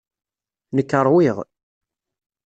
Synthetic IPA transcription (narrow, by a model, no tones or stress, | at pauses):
nəkːəɾˤwiʁ